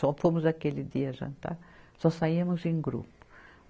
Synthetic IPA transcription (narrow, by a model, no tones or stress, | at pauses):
sɔfõmʊzakelɪd̪iɐʒɐ̰̃nt̪a̰ɾsɔsaiɐmʊzẽj̃ɡɾṵpʊ̥